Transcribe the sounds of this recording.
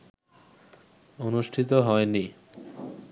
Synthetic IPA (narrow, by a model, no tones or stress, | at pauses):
onuʃʈʰit̪oɦɔeni